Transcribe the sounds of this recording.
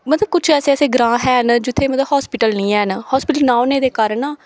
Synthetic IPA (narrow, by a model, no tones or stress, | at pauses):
mət̪ləb̚kʊt͡ʃʰɛːseːəseːɡɾãːɦɛːnd͡ʒɪt̪ʰːeːmət̪ləbɦɔːspɪʈəlnĩːɛːnhɔːspɪʈəlnaːoːneːd̪eːkəɾnaː